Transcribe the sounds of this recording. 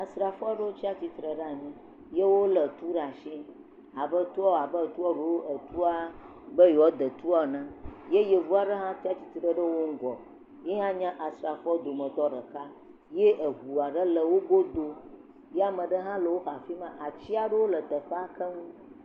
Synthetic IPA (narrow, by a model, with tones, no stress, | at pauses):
a˨sɾa˨fa˦ɖə˦wo˦t͡ɕi˦a˦t͡ɕi˦t̪ɾə˨ɖa˦˨mĩ˦ | je˦wo˦lə˨t̪u˦ɖa˨ʃĩ˦ | a˨bə˦t̪u˦ɔ˦˨a˨bə˦˨t̪u˦ɔ˦ɖo˨wo˦ʔə˨t̪u˦a˦ | bə˦jɔ˦d̪ə˨t̪u˦a˦nã˦je˦je˨vu˦a˨ɖə˦ɦã˦t̪i˦a˦t͡ɕi˦t̪i˦ɖə˨ɖə˦wo˦ŋ̩˦ɡɔ̰˨ | je˦ɦã˦ɲã˦ʔa˨sɾa˨fɔ˦d̪o˨mə̃˨t̪ɔ˦ɖə˨ka˦ | je˦ʔə˨ɦu˨a˨ɖə˦lə˨wo˦ɡo˦d̪o˦ | je˦a˦mə̃˨ɖə˦ɦã˦lə˨wo˦xa˨fi˦mã˦ʔa˨t͡ɕi˦a˨ɖə˦wo˦lə˨d̪ə˨ɸə˦a˦kə˦ŋũ˦